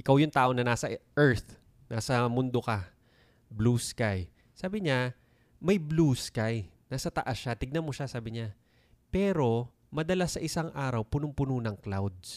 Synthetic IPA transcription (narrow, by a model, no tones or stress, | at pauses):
ʔɪkawjʊŋt̪aːʔo̞nɐnaːsɐʔɛɹt̪ | naːsɐmʊnd̪okɐ | bluskaj | saːbɪɲa | mɐjbluːskajnaːsɐt̪ɐʔasʃat̪ɪɡ̚nɐmo̞ʃasaːbɪɲa | pɛːɾo̞ | mɐd̪ɐlasɐʔɪsaŋʔaːɾɐwpʊnʊŋpʊnunɐŋklawd̪̚s